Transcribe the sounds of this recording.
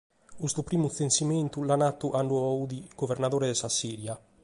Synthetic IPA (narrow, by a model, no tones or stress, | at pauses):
ust̪upɾiːmut̪θensiment̪ulanat̪ːuʔaɳɖuaud̪iɡ̥overnaðoːɾed̪esasiːɾja